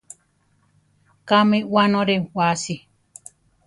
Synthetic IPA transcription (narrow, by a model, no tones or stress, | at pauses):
kamĩwanõɾewasi